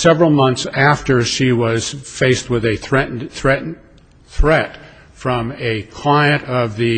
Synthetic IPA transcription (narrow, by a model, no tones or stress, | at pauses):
sɛvɹl̩ˠmʌ̃nθsæftə˞ʃiwʌz̥feɪst̚wɨðɨθɹɛʔn̩θɹɛʔn̩ | θɹɛt | fɹʌ̃mɨkʰl̥ãɪɨ̃ɾ̃ʌvðɨ